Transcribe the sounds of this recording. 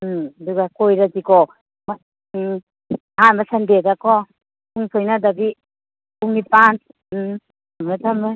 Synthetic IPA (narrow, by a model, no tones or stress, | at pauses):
duɡakojɾazikɔ | ma | hanbasandedakɔ | puŋsʰojnadabi | puŋipan | ametʰamɯ